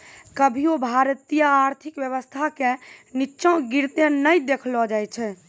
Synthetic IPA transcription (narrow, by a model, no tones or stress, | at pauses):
kəbʱiobʱaɾt̪ijaːɾt̪ʰikʋjəʋəst̪ʰakenitːʃɔ̃ɡiɾt̪enəjd̪ekʰlɔd͡ʒajt͡ʃʰɛ